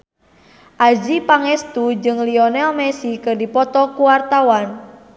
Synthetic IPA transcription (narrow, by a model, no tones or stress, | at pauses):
ʔad͡ʒipaŋɛst̪ud͡ʒɨŋliɔnɛlmɛsikərdipɔt̪ɔkuwart̪awan